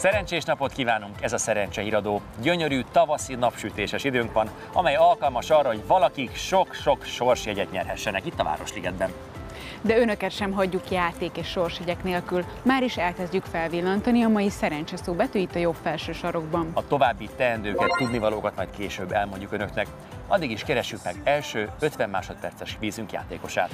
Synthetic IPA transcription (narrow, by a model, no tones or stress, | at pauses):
sɛɾɛnt͡ʃeːʃnɒpo̞t̪kiːvaːnuŋkɛzɒsɛɾɛnt͡ʃɛiɾɒd̪oː | ɟøɲø̞ɾyːt̪ɒvɒsinɒpʃyt̪eːʃɛʃid̪øːŋkʋɒn | ɒ̰mɛjɒlkɒlmɒʃɒrːɒɦo̞ɟvɒlɒkikʃokʃo̞kʃo̞rʃjɛɟɛkɲɛ̰rɦɛʃːɛnɛkit̪ːɒva̰ːɾo̞ʃliɡɛd̪bɛn | d̪ɛønøkɛt̪ʃɛmɦɒɟːukjaːt̪eːkeːʃːorʃjɛɟɛkneːlkyl | maːɾiʃɛlkɛzɟykfɛlvilːɒnt̪ɒniɒmɒjisɛɾɛɲt͡ʃɛsoːbɛt̪øːit̪ːɒjo̞bfɛlʃøːʃɒɾo̞ɡbɒmɒt̪o̞vaːbːit̪ɛɛnd̪øːkɛt̪t̪ud̪nivɒloːkɒt̪mɒjt̪keːʃøːbːɛlmo̞ɲɟːukønøknɛk | ɒ̰d̪ːiɡiʃkɛɾɛʃːykmɛɡɛlʃøːø̞t̪ʋɛmːma̰ːʃo̞t̪̚pɛrt̪sɛʃʋiːzyŋkja̰ːt̪eːko̞ʃa̰ːt̪